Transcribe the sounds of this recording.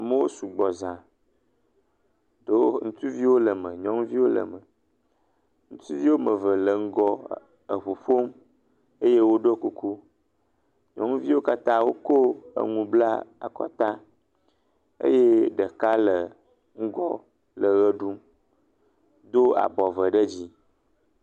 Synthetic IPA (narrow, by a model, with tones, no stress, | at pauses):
a˨mə˦wo˦su˨ɡ͡bɔ˨zã˨ | do˦ŋũ˨t̪u˦vi˦wo˦lə˨mə̃˨ɲɔ̃˦ŋũ˦vi˦wo˦lə̰˨mə˨ | ŋũ˦t̪u˦vi˦wo˦mə˨və˨lə˨ŋ̩˦ɡɔ˦ | ə˨ɸu˨ɸo˦m | e˦je˦wo˦ɖo˦ku˦ku˦ | ɲɔ̰̃˦ŋũ˦vi˦wo˦ka˦t̪ã˦wo˦ko˦ə̰˨ŋũ˨bla˦a̰˨kɔ̰˦t̪ã˦ | ḛ˦je˦ɖə˨ka˦lə˨ | ŋ̩˦ɡɔ˦ | lə˨ɣə˦ɖu˦m | d̪o˦a̰˨bɔ˨və˨ɖə˦d͡ʑi˦